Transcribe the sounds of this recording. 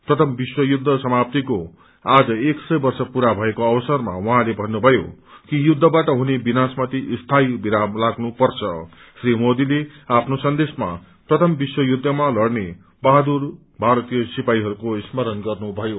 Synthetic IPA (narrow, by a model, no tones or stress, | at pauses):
prʌt̪ʰʌmbiswʌjud̪ʱːʌsʌmap̚t̪iko | ad͡zʌeksʌjbʌrsʌpuɾabʱʌekoʌbʌsʌrma̰wʌɦãlebʱʌnːubʱʌjo̰kijud̪ʱːʌbaʈʌɦunebinasmʌt̪iʔst̪ʰajbiɾamlaɡnupʌrt͡sʰʌ | srimod̪ileapʰnosʌnd̪esma̰ | prʌt̪ʰʌmbiswʌjud̪ʱːʌmalʌrne | bad̪ur | bʱaɾʌt̪ijʌsipaiɦʌɾukoismʌɾʌnɡʌrnubʱʌjo